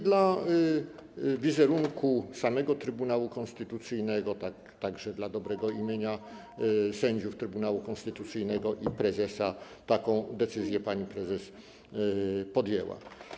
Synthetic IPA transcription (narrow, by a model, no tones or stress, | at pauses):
d̪la | vʲizɛɾuŋkusamɛɡɔt̪ɾɘbunawukɔ̃nst̪ɘt̪ut̪sɘjnɛɡɔt̪akt̪aɡʐɛd̪lad̪ɔbɾɛɡɔimʲjeɲa | sɛɲd͡ʑuft̪ɾɘbunawukɔ̃nst̪ɘt̪ut̪sɘjnɛɡɔʔipɾɛzɛsa | t̪akɔ̃w̃d̪ɛt̪sɘzʲjɛpaɲipɾɛzɛs | pɔd̪jɛwa̰